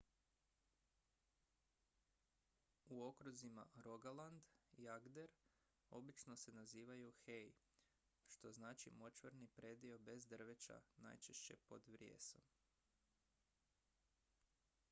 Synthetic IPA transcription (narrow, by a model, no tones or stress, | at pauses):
uo̞kɾuzima̰ɾo̞ɡaland̪ijaɡd̪e̞ɾ | o̞bit͡ʃno̞se̞naziːʋajuxej | ʃt̪o̞znaːt͡ʃḭmo̞t͡ʃʋeɾnipɾe̞ːd̪io̞be̞zd̪r̩ʋet͡ʃa̰na̰jt͡ʃeʃt͡ɕe̞̰po̞d̪ʋɾjḛːso̞m